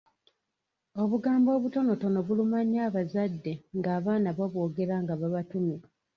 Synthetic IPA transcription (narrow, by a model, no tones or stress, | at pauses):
o̞βuɡaːmbo̞ːβuto̞no̞to̞no̞βulumaɲːaːβazadːe̞ŋɡaːβaːnaβaβwo̞ːɡe̞ɾaŋɡaβaβatume